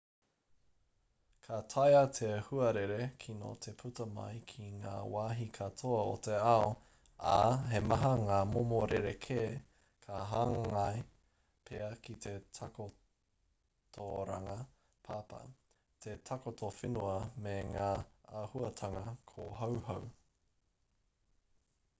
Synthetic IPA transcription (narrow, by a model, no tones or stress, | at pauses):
kʰatʰajɐtʰeɐhuɐɾeɾekʰino̰tʰepʰutɐmɐ̰jkʰiŋa̰ːwaːɦikʰatʰoɐotʰeɐo | a̰ɦemɐɦɐŋaːmomoɾʔeɾekʰeː | kʰaɦaŋɐj | pʰeɐkitʰetʰako | tʰoɾa̰ŋɐ | pʰaːpɐ̰ | tʰetʰakotʰofinuɐmeŋaːɐhuɐtʰɐŋɐkʰoɦɐwɦɐw